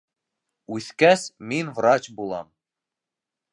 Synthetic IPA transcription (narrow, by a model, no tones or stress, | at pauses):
ʉθkæsminvrɑt͡ɕbulˠɑ̰m